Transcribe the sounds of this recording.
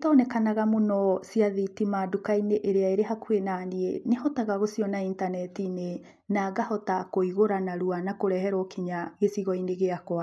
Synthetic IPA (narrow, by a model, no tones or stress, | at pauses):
tɔːnɛkanaɣamonɔsiaðitimaːdukaineʔeɾeaeɾeɦakwenaniḛnehɔtaɣaɣosiɔnaintanɛtine | naɡahɔtakoiɣoɾanaɾuanakoɾɛhɛɾɔkiɲaɣesiɣɔineɣeakwa